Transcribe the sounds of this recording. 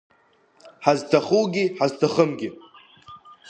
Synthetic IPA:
ħaztʰaχuwɡʲiħaztʰaχəmɡʲɪ

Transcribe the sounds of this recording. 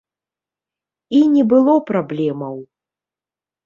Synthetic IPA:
inʲɛbɨlˠɔpɾablʲɛmɐw

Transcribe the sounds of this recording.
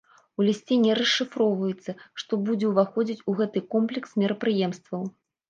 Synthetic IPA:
ulʲisʲt͡sʲenʲɛɾɐʂːɨfɾɔwvɐjɛt̪sːɐʂt̪ɔbud͡zʲɛwvaxɔd͡zʲit͡sʲuɣɛt̪ɨkɔmplʲɛksmʲiɾɐpɾɨjɛmst̪vɐw

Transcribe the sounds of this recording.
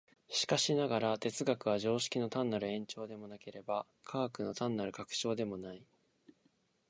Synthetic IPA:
ɕi̥kaɕinaɡaɾat̪e̞t͡sɨɡakɯ̟βaʑo̞ːɕi̥kʲino̞t̪ãnːaɾɯ̟ẽ̞ɲ̟t͡ɕo̞ːd̪e̞mo̞nake̞ɾe̞ba | kʰaːkɯ̟no̞t̪ãnːaɾɯ̟kakɯ̟̥t͡ɕo̞ːd̪e̞mo̞nai

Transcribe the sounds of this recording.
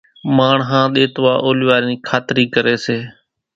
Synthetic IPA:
maːɳɦãːɗ̪eːt̪ʋaːʔoːlɪʋaːɾniːkʰaːt̪ɾiːkəɾeːseː

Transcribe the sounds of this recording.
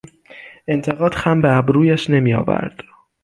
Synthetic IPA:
ʔe̞nt̪ʰe̞ɣɒːd̪̥xæmbeæbɾuːjæʃne̞miːjɒ̰ːvæ̰ɾd̪̥

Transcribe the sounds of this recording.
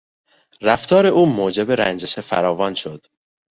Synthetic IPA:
ræft̪ʰɒːɾeʔuːmoːd͡ʒe̞beɾæ̰nd͡ʒeʃefæ̰ɾɒːvɒːnʃo̞d̪̥

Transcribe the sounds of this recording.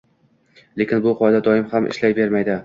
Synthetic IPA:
le̞kʲɪnbʊqʰɒd̪ad̪ɒɪmhamʔɪ̰ʃlajbe̞ɾmajd̪ɪ

